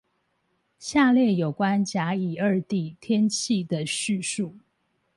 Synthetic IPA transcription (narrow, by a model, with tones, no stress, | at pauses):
ɕja˥˧ljɛ˥˩jo˨˩ʊkwa˦˥nt͡ɕja˧˥i˨˩ə˞˥˧t̪i˥˩t̪ʰjɛ˥nt͡ɕʰi˥˩d̪ə˩ɕy˥˧ʂu˥˩